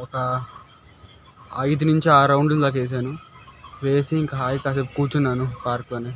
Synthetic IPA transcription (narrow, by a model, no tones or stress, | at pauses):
ɔkɐ | ɐjd̪unuɲt͡ʃiaːɾɐwɳɖd̪aːk̬eːs̬aːnuʋe̞ːsiːŋkɐɦaːjikaːsekuːt͡ʃunːaːnupaːɾkloːneː